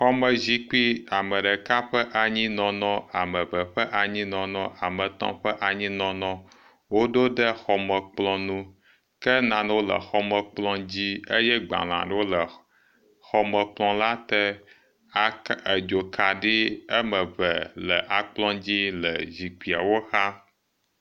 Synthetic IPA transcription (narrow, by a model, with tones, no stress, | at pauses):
xɔ˦mə˨zi˦k͡pi˦a˨mə˨ɖɛ˨ka˦ɸə˦ʔa˨ɲĩ˦nɔ̃˨nɔ̃˦a˨mə˨βə˨ɸə˦ʔa˨ɲĩ˦nɔ̃˨nɔ̃˦ʔa˨mə̃˨t̪ɔ̰̃˦ɸə˦ʔa˨ɲĩ˦nɔ̃˨nɔ̃˦ | wo˦ɖo˦ɖə˦xɔ˨mə˨k͡plɔ̃˦nũ˦ | kə˦nã˨n˦wo˦lə̰˨xɔ˦mə˨k͡plɔ̃˦d͡ʑi˦ə˦jɛ˦ɡ͡bã̰˨l̃ã̰˨ɖə˦wo˦lə˨ | xɔ˨mə˨k͡plɔ̃˦la˦t̪ɛ˦ | a˦ə˨d͡ʒo˨ka˨ɖi˦ə˦mə˨βə˨lə̰˨ʔa˨k͡plɔ̃˦d͡ʑi˦lə˨zi˨k͡pi˨a̰˨wo˦xa˦